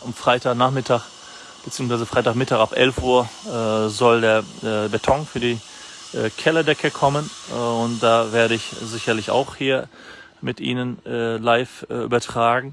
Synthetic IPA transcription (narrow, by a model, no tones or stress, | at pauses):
ʔʊmfʁ̥aɪtʰaːnaːχmɪtʰaːχ | b̥t͡siːʊŋsv̥aɪzəfʁ̥aɪtaːχmɪtaːχapʔɛlfʔuːɐzɔldeːɐɛbetʰɔŋfyːɐdiː | ʔɛkʰɛlɐdɛkʰəkʰɔmənʊnt̚d̥aːveːɐɾəɪçzɪçɐlɪça̰ʊxhiːɐ | mɪtʔḭːnənːlaɪfʔyːbɐtʁ̥aːɡŋ̩